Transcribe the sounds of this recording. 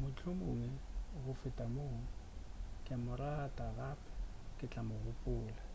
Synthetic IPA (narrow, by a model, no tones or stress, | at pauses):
mʊt͡ɬʼʊmoːŋɛɣʊfɪtʼamoːŋ̩kʼɪamʊɾaːtʼaraːpʰʼḁ | kʼɪt͡ɬʼamʊɣʊpʼʊːla